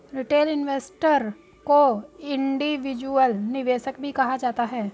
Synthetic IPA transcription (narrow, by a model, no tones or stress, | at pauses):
ɾɪʈeːlɪnʋeːsʈəɾ | koɪ̃ɳɖiʋɪd͡ʒuəlnɪʋeːʃək̚bʱikɐɦad͡ʒaːt̪aɦɛː